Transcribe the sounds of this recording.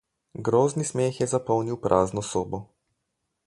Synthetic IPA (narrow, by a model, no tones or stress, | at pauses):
ɡɾoːznismeːxjɛzapɔwniwpɾʔaːznɔsoːbɔ